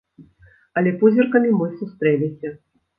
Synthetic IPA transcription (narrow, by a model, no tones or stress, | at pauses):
ɐlʲɛpuzʲirkɐmʲimɨsust̪ɾɛlʲɛsʲɐ